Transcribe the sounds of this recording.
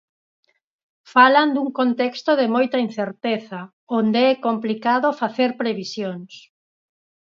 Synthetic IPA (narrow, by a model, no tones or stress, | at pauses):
faland̪uŋkont̪ɛkst̪oðɪmojt̪ɐin̟θeɾt̪eθɐ | ond̪eɛkomplikaðofaθeɾpɾeβisjoŋs